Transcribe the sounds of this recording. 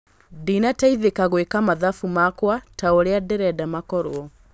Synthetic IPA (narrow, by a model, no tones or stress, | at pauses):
dinataiðekaɣwekamaðafumakwataoɾeadeɾɛdamakɔɾoɔ